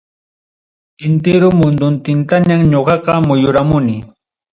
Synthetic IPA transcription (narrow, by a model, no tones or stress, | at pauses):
ɪnt̪eɾʊmʊnd̪ʊnt̪ɪnt̪aɲamɲoɢɑqɑmʊjʊɾamʊnɪ